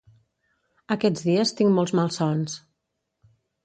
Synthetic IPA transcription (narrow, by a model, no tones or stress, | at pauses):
əkɛd͡zðiəst̪iŋmɔlˠzmalˠsɔns